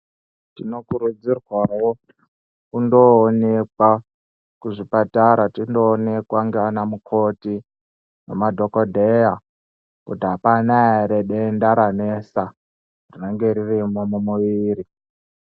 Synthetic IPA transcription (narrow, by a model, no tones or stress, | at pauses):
tino̞kuɾud͡zirwawo | kundoːne̞kwa | kuʐipataɾatindo̞ːne̞kwaŋɡeanamukʰo̞ti | nḛmadʱo̞ko̞dʱeja | kutiɦapanaeɾeɗendaɾanesa | rineŋɡe̞ɾirimomumuʋiːɾi